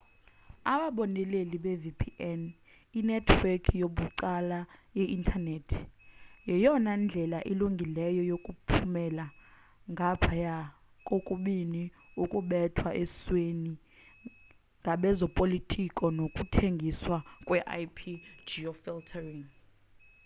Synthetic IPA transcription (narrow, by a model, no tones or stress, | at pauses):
aɓaɓɔnɛleliɓɛvipʰiʔɛn | inɛtʰwekʰijoɓuǀalajɛʔintʰanetʰjɛjɔnand͡ɮʱɛlaʔiluŋɡʱilɛjɔjokʼupʰumɛla | ŋɡʱapʰaja | kʼokʼuɓiniukʼuɓɛtʰwaʔɛsweni | ŋɡʱaɓɛzɔpʼolitʰʼikʼɔnokʼutʰeŋɡʱiswakʼwɛʔa̰jpʰid͡ʒiɔfiltʰariŋ